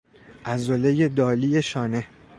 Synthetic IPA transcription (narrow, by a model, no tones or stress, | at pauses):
ʔæzolejed̪ɒːliːjeʃɒːne